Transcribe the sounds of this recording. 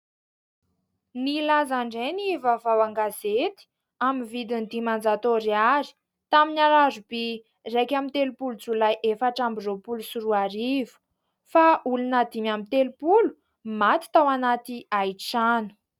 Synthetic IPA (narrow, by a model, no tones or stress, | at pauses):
nilazaɳɖ͡ʐenivavawaŋɡazet̪i̥ | amivid̪ind̪imand͡zat̪oɾiaɾi̥ | t̪aminaɾazubi | rekʲamint̪elupulut͡sulajʔefaʈ͡ʂambiropulusuɾuaɾivu̥ | faʔulunad̪imamint̪elupulu̥ | mat̪i̥t̪awanat̪iajʈ͡ʂanu̥